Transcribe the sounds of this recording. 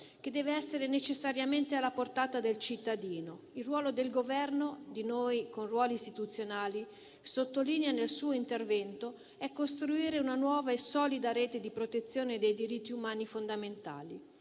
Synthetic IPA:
k̟ed̪ːɛːveɛsːeɾenet͡ʃesːaɾjament̪ealːaport̪aːt̪ad̪elt͡ʃit̪ːad̪iːno | ilrːwɔːlod̪elɡovɛrnod̪inojkonrwɔːliːst̪it̪ut̪sːjonaːli | sot̪ːolineanelsuːoint̪ervɛnt̪o | ɛkːost̪ɾuiːɾeunanwɔːvaesɔːlid̪aɾeːt̪ed̪ipɾot̪et̪sːjoːned̪ejd̪iɾit̪ːiumaːnifond̪ament̪a̰ːli

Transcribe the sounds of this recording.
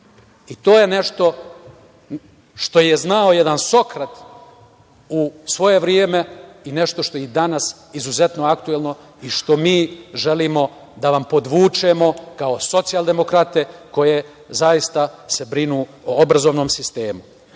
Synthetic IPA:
it̪o̞ːje̞ne̞ʃt̪o̞ | ʃt̪o̞jeznao̞jed̪anso̞kɾat̪ | usʋo̞je̞ʋɾjeːme̞ine̞ʃt̪oʃt̪o̞jed̪anas | izuze̞t̪no̞akt̪uelˠno̞ | iʃt̪o̞miːʒe̞liːmo̞ | d̪aʋampo̞d̪ʋuːt͡ʃe̞mo̞kao̞so̞t̪sijalˠd̪e̞mo̞kɾat̪e̞ko̞je̞ | zajist̪ase̞bɾinuːoobɾazoʋno̞ːmsist̪e̞ːmu

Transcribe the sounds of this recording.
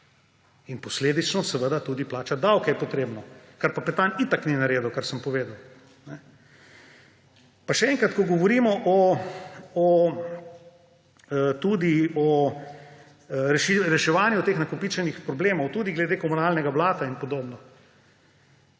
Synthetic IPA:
inpɔsleːd̪it͡ʃnɔsɛʋəd̪at̪uːd̪iplaːt͡ʃad̪awkɛjɛpɔt̪ɾeːbnɔkaɾpapɛt̪anit̪akninaɾeːd̪ɐwkaɾsəmpɔʋeːd̪ɐw | nɛ | paʃɛɛŋkɾat̪kɔɡɔʋɔɾiːmɔʔɔ | ɔ | t̪uːd̪iɔ | ɾɛʃiɾɛʃɛʋaːnjut̪eːxnakɔpit͡ʃɛnixpɾɔbleːmɔwt̪uːd̪iɡlɛd̪ekɔmunaːlnɛɡaʋlaːt̪ainpɔd̪obnɔ

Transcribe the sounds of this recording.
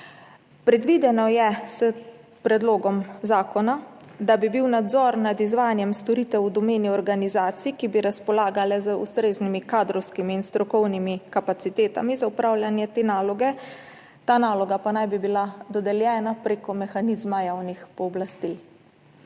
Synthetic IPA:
pɾɛd̪ʋid̪ɛnɔjɛsə | pɾɛd̪loːɡɔmzaːkɔnad̪abibiwnad̪zɔɾnad̪izʋaːjanjɛmst̪ɔɾiːt̪ɛwud̪ɔmeːniɔɾɡanizaːt̪sikibiɾaspɔlaːɡalɛzəṵst̪ɾeːznimikaːd̪ɾɔwskimiːnst̪ɾɔkɔwnimikapat̪sit̪eːt̪a̰mizaupɾaːwljanjɛt̪eːnaːlɔɡɛ | t̪aːnaːlɔɡapanajbibilad̪ɔd̪ɛljɛːnapɾeːkɔmɛxaniːzmajawnixpɔːblast̪i

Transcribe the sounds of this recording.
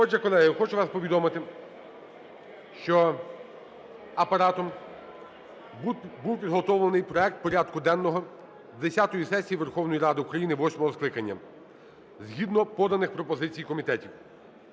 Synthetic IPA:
ɔt͡ʃɐkɔlˠɛɦɪxɔt͡ʃʊʋɑspɔʋʲid̪ɔmɪt̪ɪ | ʃt͡ʃɔ | ɐpɐɾɑt̪ɔm | buwpʲid̪ɦɔt̪ɔwlˠɐnɪjpɾɔɛk̚t̪̚pɔɾʲad̪kʊd̪ɛnːɔɦɔ | zd̪esʲat̪ɔjisɛsʲijiʋerxɔwnɔjiɾɑd̪ɪukɾɐjinɪʋɔsʲmɔɦɔsklˠɪkɐnʲːɐ̰ | zɦid̪nɔpɔd̪ɐnɪxpɾɔpɔzɪt͡sʲijkɔmʲit̪ɛtʲiw

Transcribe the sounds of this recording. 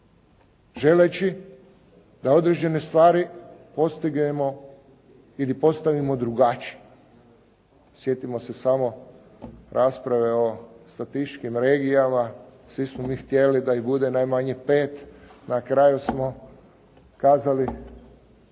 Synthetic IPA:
ʒe̞let͡ʃi | d̪ao̞d̪ɾe̞d͡ʒe̞ne̞st̪ʋaːɾipo̞st̪iɡnemo | ilipo̞st̪aʋimo̞d̪ɾuɡat͡ʃi | sje̞t̪imo̞se̞samo̞ | ɾʔaːspɾaʋe̞o̞st̪at̪it͡ʃkimɾeːɡijamasʋismomiːxt̪je̞lid̪aibud̪e̞najmaɲe̞peːt̪nakɾajusmo̞ | kaːzali

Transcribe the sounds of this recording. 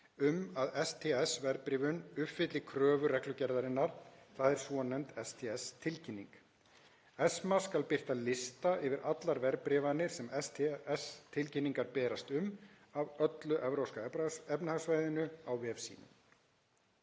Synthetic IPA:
ʏmaðɛst̪ʰɛːɛsvɛɾpɾɪːvʏnʏfɪt̪lɪkʰɾœːvʏɾɛklʏcɛɾðaɾɪnːaɾ̥θaðɛɾ̥sɔnːɛmt̪ɛst̪ʰɛɛst̪ʰɪlcʰɪnːḭŋk | ɛsmaskalpɪr̥t̪alɪst̪aʔɪvɪɾat̪laɾvɛɾpɾɪːvanɪɾ̥sɛmɛst̪ʰɛɛst̪ʰɪlcɪnːiŋkaɾpɛːɾast̪ʏm | avœt̪lʏʔɛvɾowskaɛpnahasvaːjðɪnʏawvɛːfsḭːnʏ̰m

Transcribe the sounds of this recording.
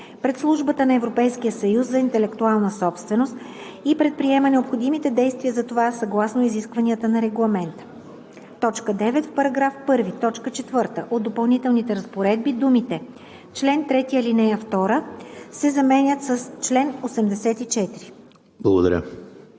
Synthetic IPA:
pɾɛt̪slˠuʒbət̪ənɐɛvɾopɛjsk̟ijəsɐjuszɐint̪ɛlɛkt̪ualˠnəsɔpst̪vɛnost̪ | ipɾɛt̪̚pɾiɛmənɛopxod̪imit̪ɛd̪ɛjst̪viəzɐt̪ovasɐɡlˠasnoiziskvɐniət̪ənɐɾɛɡlˠɐmɛnt̪ə̥ | t̪ɔt͡ʃkəd̪ɛvɛt̪fpɐɾɐɡɾafpɤɾvit̪ɔt͡ʃkət͡ʃɛt̪vɤɾt̪əʔod̪opɐlˠnit̪ɛlˠnit̪ɛɾɐspoɾɛd̪̚bid̪umit̪ɛ | t͡ʃlɛnt̪ɾɛt̪iəlinɛjəft̪ɔɾəsɛzɐmɛnʲət̪səst͡ʃlɛnosɛmd̪ɛsɛt̪it͡ʃɛt̪iɾi | blˠɐɡod̪ɐɾʲə̰

